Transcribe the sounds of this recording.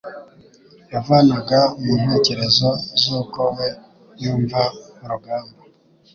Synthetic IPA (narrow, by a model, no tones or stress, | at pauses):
javanaɡamumeceɾezozokowe | juːɱvamuɾuɡaːmbo